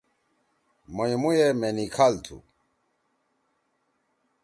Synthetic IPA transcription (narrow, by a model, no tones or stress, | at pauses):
mɔjmujɛmɛnikʰalt̪ʰṵ